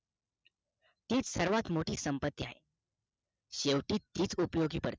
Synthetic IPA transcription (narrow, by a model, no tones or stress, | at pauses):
t̪iːt͡ssəɾʋat̪moʈiːsəmpət̪ːiaɦḛ | ɕeʋʈiːt̪ːiːt͡supəjoɡiːpəɾt̪e̥